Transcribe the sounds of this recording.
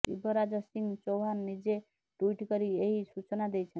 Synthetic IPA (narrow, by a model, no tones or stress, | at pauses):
ḭbʌɾad͡zasiŋɡt͡ʃowɦanːid͡ze | ʈuiʈkʌɾieɦisut͡ʃnad̪ejt͡ʃʰʌn